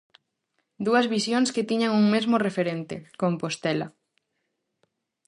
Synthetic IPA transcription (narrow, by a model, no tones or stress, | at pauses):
d̪uɐzβisjoŋsket̪iɲaŋuŋmezmorefeɾent̪ḛkompost̪ɛlɐ̰